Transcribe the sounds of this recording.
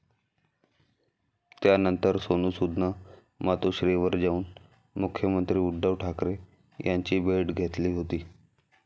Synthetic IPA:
t̪janənt̪əɾsonũːsud̪ʱna | mat̪oɕɾeʋəɾd͡ʑauːn | mukʰːjəmənt̪ɾiːuɖɖəʋʈʰakɾe | jʔaɲt͡ɕiːbʱeɖɡʱet̪liːɦot̪iː

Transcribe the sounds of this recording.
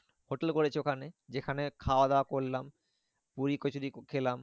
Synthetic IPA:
hoʈelkoɾet͡ɕʰiokʰaned͡ʑekʰanekʰaoad̪aoakoɾlam | puɾikot͡ɕʰud̪ikʰelam

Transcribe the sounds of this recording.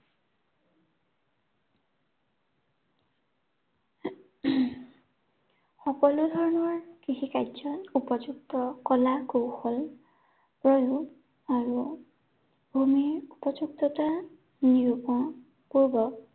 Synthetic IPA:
xɔkɔludʱɔɹɔnɔɹkiɦikajdzɔnupɔd͡ʒuk̚tɔkɔlakowxɔl | pɹɔju | aɹu | bʱumiupɔd͡ʒuktɔta | niɹupɔ | kuɹbɔ

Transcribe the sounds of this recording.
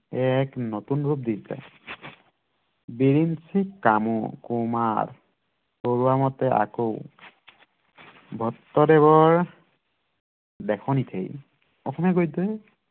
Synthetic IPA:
ɛknotunɹup̚disa̰ | biɹinsikːamɔ̰kumaɹ | koɹuwamɔtɛʔa̰kow | bʱɔtːɔdɛβɔɹ | dɛkʰɔnitʰḛj | ɔkʰɔmɛɡojtɔ

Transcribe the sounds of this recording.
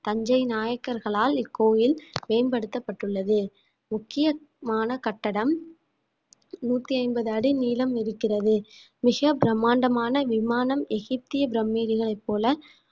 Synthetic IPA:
t̪ɐɲd͡ʒɐɪnaːjɐkːɐɾɣɐɭaːlɪkːoːjɪlmeːnbɐɽɯt̪ːɐpːɐʈːɯɭːɐðɯ | mʊkːɪjɐ | maːnɐkɐʈːɐɽɐm | nuːt̪ːiɐɪnbɐðɯɐɽiniːlɐmɪɾɯkːɪrɐðɯ | mɪɣɐbɪɾɐmːaːɳɖɐmaːnɐʋɪmaːnɐmɛɣɪp̚t̪ɪjɐbɪɾɐmːiːɾɪɣɐɭɐɪpːoːlɐ

